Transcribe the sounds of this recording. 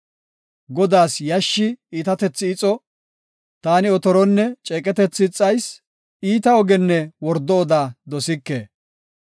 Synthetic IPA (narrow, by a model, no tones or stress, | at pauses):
ɡɔd̪aːsjɐʃːɪiːt̪ɐt̪ɛt͡sːɪɪt͡sʼɔ | t̪aːnɪɔt̪ɔɾɔnːɛt͡ʃʼɛːkʼɛt̪ɛt͡sːɪt͡sʼːɐjs | iːt̪ɐɔɡɛnːɛwɔɾd̪ɔːd̪aːd̪ɔsɪkːḛː